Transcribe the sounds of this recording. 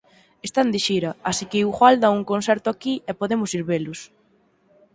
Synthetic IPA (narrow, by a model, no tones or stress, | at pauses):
est̪and̪ɪʃiɾɐasikɪχwald̪auŋkonsɛɾt̪ʊakiɛpoðemʊsiɾβelʊs